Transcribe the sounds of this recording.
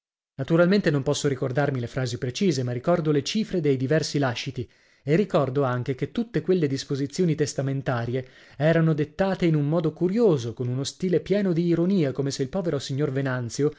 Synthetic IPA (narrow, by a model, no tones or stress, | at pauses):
nat̪uɾalment̪enompɔsːoɾikord̪armilefɾaːzipɾet͡ʃiːzemarːikɔrd̪olet͡ʃiːfɾed̪ejd̪ivɛrsilaʃːit̪i | erːikɔrd̪oaŋk̟ek̟et̪ːut̪ːekwelːed̪ispozit̪sːjoːnit̪est̪ament̪aːɾje | ɛːɾanod̪et̪ːaːt̪einummɔːd̪okuɾjoːzokonunost̪iːlepjɛːnod̪iːɾoniːakoːmeseilpɔːveɾosiɲːorvenant̪sjo